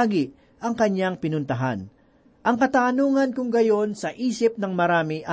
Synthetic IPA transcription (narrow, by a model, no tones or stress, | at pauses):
ɡi | ʔɐŋkɐɲːaŋpɪnʊnt̪ɐɦa̰n | ʔɐŋkɐt̪aːnuːŋɐnkʊŋɡɐjo̞nsɐʔiːsɪp̚nɐŋmɐɾaːmɪʔɐ